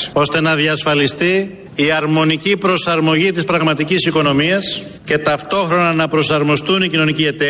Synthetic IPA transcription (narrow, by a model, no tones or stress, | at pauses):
o̞st̪e̞nɐðiɐsfɐlist̪i | iɐɾmo̞nicipɾo̞sɐɾmo̞ʝit̪ispɾɐɣmɐt̪icisiko̞no̞miɐs | ce̞t̪ɐft̪o̞xɾo̞nɐnɐpɾo̞sɐɾmo̞st̪unicino̞nicie̞t̪e